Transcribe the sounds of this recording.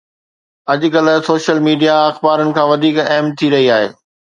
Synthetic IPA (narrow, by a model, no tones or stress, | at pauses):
ɐʄ̆kɐl̆soːʃəlmiːɖijaɐxbaːɾənɪ̆kʰãːʋɐd̪ʱiːkɛːmt̪ʰiɾɐɦiaːɦḛː